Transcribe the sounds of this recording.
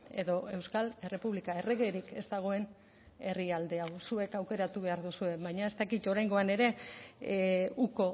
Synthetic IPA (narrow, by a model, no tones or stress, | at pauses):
e̞ðo̞e̞wskale̞re̞puβlikae̞re̞ɣe̞ɾike̞zd̪aɣ̞o̞e̞n | e̞riald̪e̞awsue̞kawke̞ɾat̪uβe̞aɾðusue̞βajɲae̞st̪akit̪o̞ɾajŋɡo̞ane̞ɾe̞ | uko̞